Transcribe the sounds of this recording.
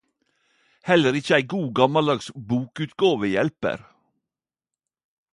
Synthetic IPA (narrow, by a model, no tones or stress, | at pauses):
hɛləɾɪçəæɪɡuːɡɑmɑld̪ɑːɡsbuːkʉːt̪ɡɑːʋəjɛlpə̰ɾ